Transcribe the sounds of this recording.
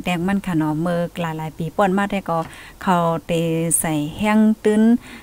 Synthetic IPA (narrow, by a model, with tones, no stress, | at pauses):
t̪ɛː˧˩ŋma˧˥˨nkʰa˧˩nɔ˧mɤː˧k̚laː˨˦jlaː˨˦jpiː˨˦pɔː˧˩˨n̚maː˧˩t̪̚hɛ˧˩kɔ˧˩kʰa˧˩wt̪e˨˩sa˨˩jhɛ˧˥˨ŋt̪ɯ˧˨n